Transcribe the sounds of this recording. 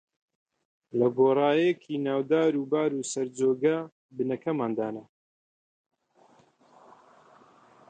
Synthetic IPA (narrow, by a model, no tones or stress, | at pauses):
lɐɡoːrˤɑːjekʰiːnaːwd̪aːɾuːbaːɾuːsɐɾd͡zoːɡɐ | bɨnɐkʰɐmaːnd̪aːnɐ